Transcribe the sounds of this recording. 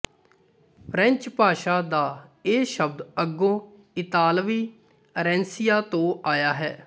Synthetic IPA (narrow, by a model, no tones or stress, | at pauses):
pʰɾɛ̃ɲt͡ʃpaːʃaːd̪aːeːʃəb̚d̪əɡõː | ɪt̪aːlʋiː | əɾɛ̃ːnsɪjaːt̪õːaːjaːɦɛː